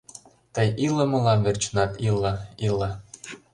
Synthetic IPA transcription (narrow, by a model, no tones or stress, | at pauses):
t̪əjiləmɤ̆lɑmvert͡ɕnɑt̪ilːɤilɑ